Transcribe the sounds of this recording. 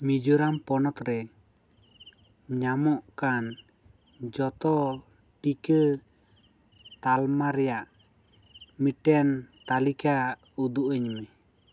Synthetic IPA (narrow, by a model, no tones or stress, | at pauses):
mid͡ʒuɾampɔnɔt̪ɾɛ | ɲamɔʔkan | d͡ʒɔt̪ɔʈikə | t̪almaɾɛjaʔ | miʈɛnt̪alikaud̪uʔəɲmɛ